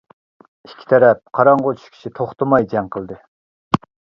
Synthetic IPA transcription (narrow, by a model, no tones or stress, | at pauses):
i̥kʲʰi̥t̪ʰɛɾɛp̚qʰɑɾɑɴʁot͡ʃʰu̥ʃkʲi̥ʃit̪ʰoχt̪əmɑjd͡ʒɛŋqʰəlˠd̪ɨ